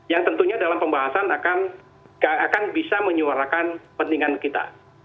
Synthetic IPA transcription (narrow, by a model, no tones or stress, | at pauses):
jaŋt̪ənt̪uɲadalampəmbaɦasanakan | ɡaakanbisaməɲuaɾakanpənd̪iŋankit̪a̰